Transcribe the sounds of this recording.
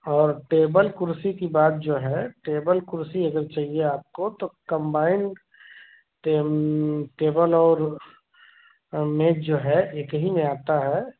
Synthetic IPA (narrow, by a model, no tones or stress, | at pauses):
ɔːɾʈeːbəlkʊɾsikibaːt̪̚d͡ʒoːɦɛʈeːbəlkʊɾsiəɡəɾt͡ʃaːɦieaːp̚kot̪okə̃mbaːɪɳɖ | ʈeːbəlɔːɾ | mẽːd͡ʒoːɦɛekɦimẽaːt̪aɦɛ